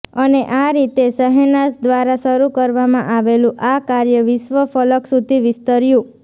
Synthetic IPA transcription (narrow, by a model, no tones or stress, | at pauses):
əneʔaɾit̪esəɦenasd̪ʋaɾaʃəɾukəɾʋamãʔaʋelũʔakaɾjəʋɪʃʋəfələksud̪ʱiʋɪst̪əɾjũ